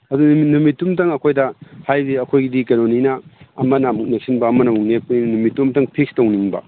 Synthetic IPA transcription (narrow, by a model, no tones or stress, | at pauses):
ɐdunminumitːumtɐŋɐkʰojdɐhajdiɐkʰojɡidikeɾoninɐɐmɐnɐmuk̚nek̚sinbɐːmɐnɐmuknepɐninnumitːumtɐŋpʰik̚stowniŋbɐ̰